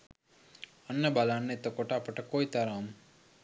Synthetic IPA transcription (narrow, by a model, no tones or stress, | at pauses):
ɐnːəbalanːet̪ːəkoʈaːpəʈəkojt̪ɐɾaːm